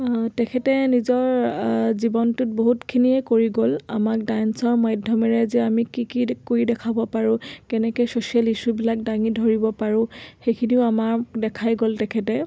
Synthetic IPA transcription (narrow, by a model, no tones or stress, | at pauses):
tɛkʰɛtɛnizɔɹzibɔntʊt̚boɦutkʰiniɛkoɹiɡola̰mak̚dajnsɔɹmajdʱjɔmɛɹɛzɛamikikikoɹidɛkʰabɔpaɹʊ̃kɛnɛkɔjsosialisubilak̚daŋidʱoɹibɔpaɹʊ̃xejkʰiniʊamaɹdɛkʰajɡoltɛkʰɛtɛ